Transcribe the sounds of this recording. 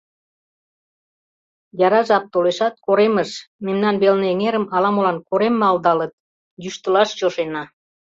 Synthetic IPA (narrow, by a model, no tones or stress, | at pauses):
jɑɾɑʒɑp̚t̪oleʃɑt̪̚koɾeməʃmemnɑnβelneeŋeɾəmɑlɑmolɑnkoɾemːɑld̪ɑlət̪̚ | jyʃt̪əlɑʃt͡ɕoʃenɑ